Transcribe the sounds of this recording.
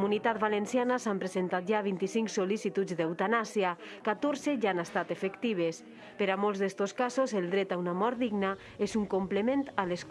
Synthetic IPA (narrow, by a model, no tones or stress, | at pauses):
munit̪at̪̚balensianasampɾezent̪at̪̚ʒaβint̪isiŋksolisit̪ud͡zd̪ewt̪anasia | kat̪oɾzeʒaanast̪at̪efekt̪iβ̞es | peɾamolˠzðest̪oskazozelˠd̪ɾɛt̪aunamɔɾt̪̚d̪iɡna | ezuŋkomplement̪ales